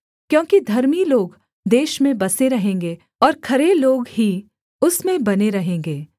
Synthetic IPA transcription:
kjõːkid̪ʱɐɾmiloːɡ | d̪eːʃmẽbɐseɾɐɦẽːŋɡe | ɔːɾkʰɐɾeloːɡɦi | ʊsmẽbɐneɾɐɦẽːŋɡeː

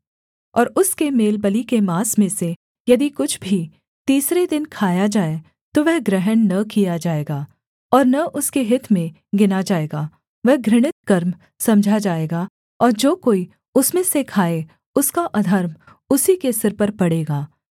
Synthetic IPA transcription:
ɔːɾʊskemeːlbəlikemaːsmẽse | jɐd̪ikʊt͡ʃʰbʱi | t̪iːsɾed̪ɪnkʰaːjad͡ʒaːe | t̪oʋɛɦɡɾɛɦənnɐkijad͡ʒaːeːɡaː | ɔːɾnɐʔʊskeɦɪt̪ʰmẽ | ɡɪnad͡ʒaːeːɡaː | ʋɛɦɡɾɪɽ̃ɪt̪kɐɾm | sɐ̃md͡ʒʱad͡ʒaːeːɡa | ɔːɾd͡ʒoːkoːi | ʊsmẽsekʰaːe | ʊskaʔɐd̪ʱəɾm | ʊsikesɪɾpɐɾpɐɽeːɡaː

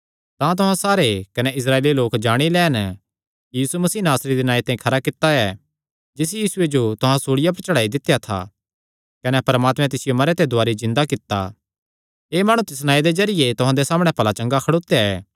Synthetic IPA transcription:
t̪ãt̪̬ʊɦãsaːɾekɐnɛɪs̬ɾaːeːliloːkd͡ʒaːɽ̃ilɛːn | kijiːsumɐsiːnaːsɾid̪inaːit̪aːĩkʰɐɾakɪt̪ːaɛː | d͡ʒɪs̬jiːsʊed͡ʒot̪ʊɦãsoːɽɪjap̬ɐɾt͡ʃɐɽaːid̪ɪt̪ːjat̪ʰa̰ | kɐnɛpɐɾmaːt̪mɛ̃t̪ɪsɪjomɐɾet̪ed̪ʱʊaːɾizɪ̃nd̪akɪt̪ːa̰ | eːmaːɽ̃ũt̪ɪs̬naːid̪ezɐɾɪjet̪ʊɦãd̪esaːməɽ̃ɛ̃pɐlat͡ʃɐ̃ŋɡakʰɐɽoːt̪jaɛː

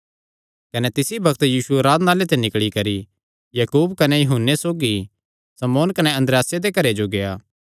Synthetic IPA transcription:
kɐnet̪ɪsibɐkt̪jiːsueɾaːd̪naːlet̪ɛ̃nɪkɭikɐɾi | jɐkuːbkɐnejɐɦʊnːesoːɡi | sɐmoːnkɐnɛɐ̃nd̪ɾejaːsjed̪ekɐɾed͡ʒoɡejaː

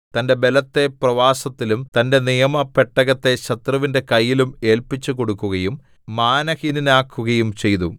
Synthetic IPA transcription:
t̪ɐnde̞be̞lɐt̪ːe̞prɐʋaːsɐt̪ːilumt̪ɐnde̞nijɐmɐpeʈːɐɣɐt̪ːe̞ɕɐt̪rɐʋinde̞kɐjːilume̞ːlpit͡ɕːuko̞ɽukːuɣɐjum | maːnɐhininaːkʰːuɣɐjumt͡ɕe̞jðu

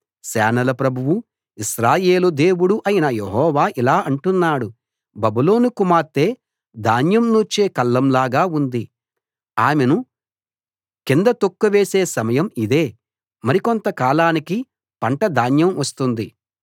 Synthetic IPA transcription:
sɛːnɐlɐpɾɐbʱuwu | iʃɾaːjeːlud̪e̞ːwuɽuʔɐjinɐjeɦɔːʋaːʔilaːʔɐɳʈunːaːɽu | bɐbulo̞ːnukumaːɾt̪e̞ː | d̪ʱaːnjɐmnuːt͡ʃeːkɐlːɐmlaːɡaːund̪i | aːmenu | kind̪ɐt̪okːuʋeːseːsɐmɐjɐmid̪e̞ː | mɐɾikont̪ɐkaːlaːniki | pɐɳʈɐd̪ʱaːnjɐmʋɐst̪und̪i

